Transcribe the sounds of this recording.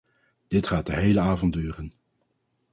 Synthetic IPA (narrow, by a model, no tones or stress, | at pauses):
d̥ɪtχaːt̚dəɦejləaːvɑntyːrən